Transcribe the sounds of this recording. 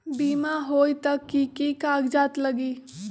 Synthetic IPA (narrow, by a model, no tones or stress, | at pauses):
biːmaɦoːjt̪əkːikikaːɡd͡ʒaːt̪ləɡiː